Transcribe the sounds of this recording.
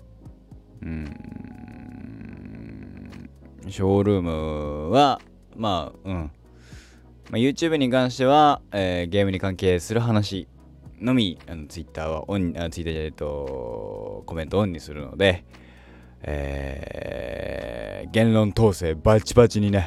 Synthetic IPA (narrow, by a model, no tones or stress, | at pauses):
ɯ̃ | ɕo̞ːɾɯ̟ːmɯ̟βa | maːɯ̟̃ɴ | majɯ̟ːt͡ɕɨːbɯ̟ɲ̟ikãɰ̃ɕ̬i̥t̪e̞βaeːɡe̞ːmɯ̟ɲ̟ikãŋke̞ːsɨɾɯ̟ɦanaɕi | no̞mʲiano̞t͡sɨit̪ːaːβa̰ʔõɲaot͡sɨit̪ːat̪aɯt̪o | ko̞mẽ̞nt̪oõɲ̟ːisɨɾɯ̟no̞̰d̪e̞ | ḛː | ɡẽ̞nlõ̞nt̪o̞ːse̞ːbat͡ɕibat͡ɕiɲ̟ine̞